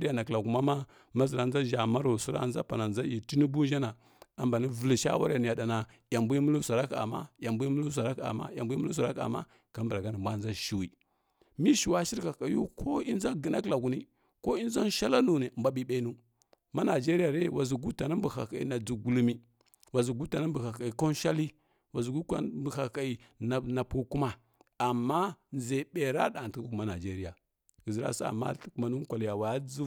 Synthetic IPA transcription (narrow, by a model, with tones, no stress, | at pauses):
ɾi˦ja˨na˨kla˨ku˨ma˦ma˦ | ma˦zi˨ɾa˨nd͡za˦ʒa˨ma˦ɾo˨su˦ɾa̰˦nza̰˦pa˨na˨nza˦ji˨ti˦ni˦bu˦n˦d͡ʒa˦na˨ | a˨mba˨ni˦və˨li˨ʃa̰˦wa˦ɾi˦a˨ni˨ja˨da˨na˨ | ja˨mbu˦i˦mu˦lu˦sa˨ɾa˦ka̰˨ma̰˦ja˨mbu˦i˦mu˦lu˦s̬a˨ɾa˦ka̰˨ma̰˦ja˨mbu˦i˦mu˦u˦s̬a˨ɾa˦ka̰˨ma̰˦ | ka˦mbɾa˨ɡa˦ni˨mbʷa˦˨˦za˦ʃi˨wi˦ | mi˦ʃi˨wa˦ʃi˦ɾka˨ka˨ju˦kʰo˦i˦n˦za˦ɡi˨na˦kla˨ɡu˨ni˦ | ko˦i˦nza˦n˦ʃa˦la˦nu˨ne˨mba˦ɓi˦ɓe˦nu˦ | ma˦na˨d͡ʒe˦ɾi˦ja˨ɾe˦˨wa˨zi˨ɡu˦ta˨na˦mbu˨xa̰˨ka˨ḭ˨na˨d͡zu˨ɡu˦lu˦mi˦ | wa˨zu˨ɡu˦ta˨na˦mbu˨xa˨ka˨i˨ko˦n˦ʃa˦li˦ | wa˨zu˨ɡu˦ka̰˦bi˨xa˨ka˨i˨ | na˨na˨pu˦ku˦ma˦ | a˨mːa˦n˨ze˨ɓe˨ɾa̰˦ɗa˨ti˦u˦ku˨ma˦na˨d͡ʒe˦ɾi˦ja˨ | ɡi˨zi˨ɾa̰˦sa̰˦a̰˨ma̰˦˨ku˨˦ma˨nu˦ŋ˦kʷa˨lja˨wa˨ja˦d͡zu˦